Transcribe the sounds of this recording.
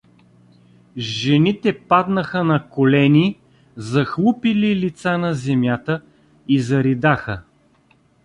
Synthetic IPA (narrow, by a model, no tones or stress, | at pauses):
ʒɛnit̪ɛpad̪nəxənɐkolɛni | zɐxlˠupililit̪sanɐzɛmjat̪ə | izɐɾid̪axə